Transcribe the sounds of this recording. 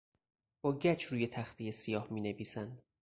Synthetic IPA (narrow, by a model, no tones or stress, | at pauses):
b̥ɒːɟæt͡ʃʰɾuːje̞t̪ʰæxt̪ʰijesijɒːhmiːne̞viːsænd̪